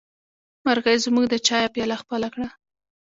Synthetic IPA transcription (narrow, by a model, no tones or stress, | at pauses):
maɾɣəzmuɡd̪ət͡ʃɑjapjɑlaxpəlakɽa